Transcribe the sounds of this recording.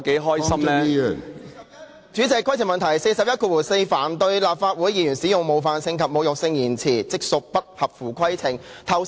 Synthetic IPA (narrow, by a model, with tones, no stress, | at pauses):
ke˨˥jɦɔː˥jsɐ˥mlɛː˦i˥œː˨˩ŋ | t͡ʃyː˨˥t͡sɛ˨˧kʰʷɐ˥jt͡sʰɪ˨˩ŋmɐ˨nt̪ʰɐ˨˩jse˧jsɐ˨p̚jɐ˥t̚kʰuː˧wuː˨˩se˧jfaː˨˩nt̪ɵ˧ɥlaː˨p̚faː˧t̚wuː˨˥jiː˨˧jyː˨˩nsiː˨˥jʊ˨ŋmo˨˧wfaː˨nsʰɪ˧ŋkʰɐ˨p̚mo˨˧wjʊ˨k̚sɪ˧ŋjiː˨˩nt͡sʰiː˨˩t͡sɪ˨˥k̚sʊ˨k̚pɐ˥k̚hɐ˨p̚fuː˨˩kʷʰɐ˥jt͡sʰɪ˨˩ŋt̪ʰɐ˧w